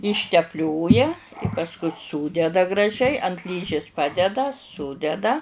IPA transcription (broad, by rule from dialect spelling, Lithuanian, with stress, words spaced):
ɪʃʲtʲɛpʲˈlʲoːjɛ pɐsˈkʊ ˈsuːdʲɛdɐ ɡrɐˈʒʲɛɪ ɐnt ˈlʲiːʒʲɪs ˈpɑːdʲɛdɐ ˈsʊdʲɛdɐ